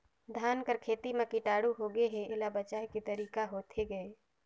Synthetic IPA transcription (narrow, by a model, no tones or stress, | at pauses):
d̪ʱaːnkəɾkʰeːt̪imẽkiʈaːɽuɦoɡeɦɛ̃eːlabət͡ʃaːekit̪əɾiːkaɦoːt̪ʰeɡəe